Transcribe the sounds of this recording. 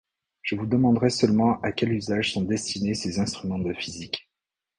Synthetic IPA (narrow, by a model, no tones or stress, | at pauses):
ʒ̥əvud̪əmɑ̃d̪ʁɛsœlmɑ̃akʲɛlyzaʒsɔ̃d̪ɛst̪inesezɛ̃st̪χymɑ̃d̪əfizik